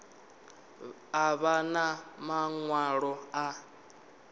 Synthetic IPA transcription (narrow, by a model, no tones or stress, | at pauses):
aβanamaŋwaɺɔa